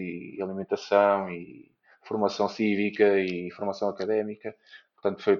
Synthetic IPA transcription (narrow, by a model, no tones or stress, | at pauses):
iɐlˠimẽnt̪ɐsɐ̃w̃i | fuɾmɐsɐ̃w̃sivikɐifuɾmɐsɐ̃w̃ɐkɐðɛmikɐ | ppʊɾt̪ɐ̃nt̪u̥foj